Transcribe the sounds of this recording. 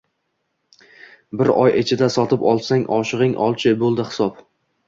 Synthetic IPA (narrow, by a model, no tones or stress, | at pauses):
bɪɾɒjʔet͡ʃʰɪd̪asɒt̪ʰɪpɒlˠsaŋʔɒʃɪʁɪŋʔɒlˠt͡ʃʰɪbolˠd̪ɪhɪ̥sɒp